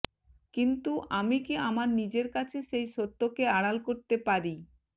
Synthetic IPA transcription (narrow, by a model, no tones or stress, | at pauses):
kint̪uʔamikiamaɾnid͡ʑeɾkat͡ɕʰeʃejʃot̪ːokeaɽalkoɾt̪epaɾi